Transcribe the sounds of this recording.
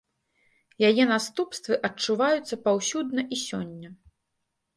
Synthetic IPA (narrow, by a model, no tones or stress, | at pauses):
jajɛnast̪upst̪vɨʔɐt͡ʂːuvajut̪sːɐpawsʲud̪nɐʔisʲɔ̰nʲːɐ